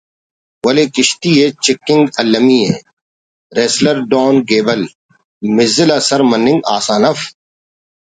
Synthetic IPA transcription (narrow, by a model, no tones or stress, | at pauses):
wɐleːkɪʃt̪iːet͡ʃɪkːɪ̃ŋɡɐlːɐmiḛ̃ː | ɾeːslɐɾɖoːnɡeːbɐl | mɪzɪlaːsɐɾmɐnːɪ̃ŋɡaːsaːnɐf